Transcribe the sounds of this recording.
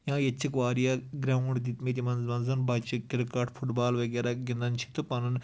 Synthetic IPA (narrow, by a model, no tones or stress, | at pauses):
jãːjet͡ʃʰːikʋaːɾijaɡɾʲaʋɐɳd̪it̪mit̪̬ʲimɐnzmɐnzɐnbɐt͡ʃikiɾkaʈfʰuʈbaːlʋɐɡʲeɾaɡind̪ɐnt͡ʃʰi̥t̪upɐnɐn